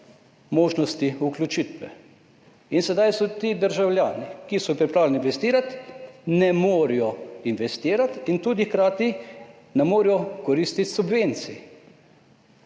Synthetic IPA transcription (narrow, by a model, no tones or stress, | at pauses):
moːʒnɔst̪iuklʲut͡ʃit̪ʋɛ̰ | insɛd̪ajsɔt̪id̪əɾʒawljaːnikisɔjpɾipɾawlɛninʋɛst̪iːɾat̪nɛmoːɾijɔinʋɛst̪iːɾat̪int̪uːd̪ixkɾaːt̪i | nɛmoːɾijɔkɔɾist̪it̪subʋent̪si